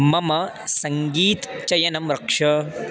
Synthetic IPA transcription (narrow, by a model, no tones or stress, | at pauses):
mɐmɐ | sɐŋɡiːt̪t͡ʃɐjɐnɐmɾɐkʂɐ